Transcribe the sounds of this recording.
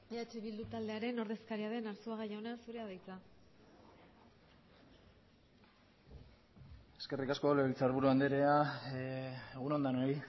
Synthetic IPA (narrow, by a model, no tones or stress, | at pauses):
eat͡ʃiβild̪ut̪ald̪e̞aɾe̞no̞ɾðe̞skaɾiaðe̞naɾsuaɣajaonasuɾe̞aðajt͡sa | e̞ske̞rikaskoaleit͡saɾβuɾuand̪eɾea | eɣuno̞nd̪anoi